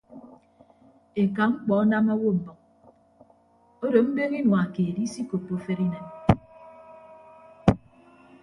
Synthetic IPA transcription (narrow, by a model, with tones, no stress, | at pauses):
e˨ka˨ŋ͡m̩˦k͡pɔ˨ɔ˦na˦ma˦wo˦m̩˨bɔ˨k̚ | o˦do˨m̩˦be˦ŋi˦nwa˨a˨ke˨di˦si˦ko˨pːo˨fe˦ɾi˦ne˨n